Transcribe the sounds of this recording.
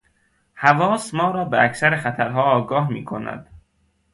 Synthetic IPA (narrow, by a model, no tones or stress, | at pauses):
hævɒːsmɒːɾɒːbeæcʰsæɾeχæt̪ʰæɾɦɒːɒːɡɒːɦmḭːkʰonæ̰d̪̥̚